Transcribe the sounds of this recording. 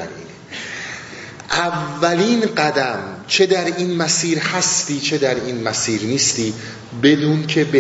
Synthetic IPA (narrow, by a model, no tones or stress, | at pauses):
æ̰ɾḭːne | ʔævːæliːnɢæd̪æmt͡ʃʰe̞d̪æɾiːnmæsiːɾhæst̪iːt͡ʃʰe̞d̪æɾiːnmæsiːɾniːst̪iː | be̞d̪uːnkʰe̞be